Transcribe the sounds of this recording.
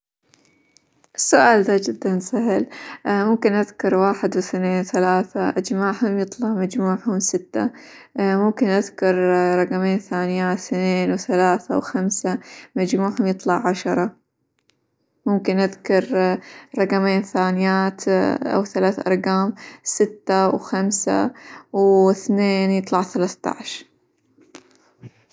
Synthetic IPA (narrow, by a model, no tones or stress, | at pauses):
ʔɪsːʊʔaːld̪ad͡ʒɪd̪ːansaɦɪlmʊmkɪnʔaðkɑɾˤwaːħɪd̪wɪθneːnwθalaːθaʔad͡ʒmaːʕhʊmjɨt̪ˤlɑʕmad͡ʒmuːʕhʊmsɪt̪ːa̰ | mʊmkɪnʔaðkɑɾˤɾˤɑqɑmeːnθaːnɪjaːθneːnwθalaːθa̰wxamsamad͡ʒmuːʕhʊmjɨt̪ˤlɑʕʕaʃɑɾˤɑ | mʊmkɪnʔaðkɑɾˤɾˤɑqɑmeːnθaːnɪjaːt̪ʔa̰wθalaːθʔɑ̰ɾˤɡaːmsɪt̪ːawxamsa̰wɪθneːnjɨt̪ˤlɑʕθalaθt̪ɑ̰ʕʃ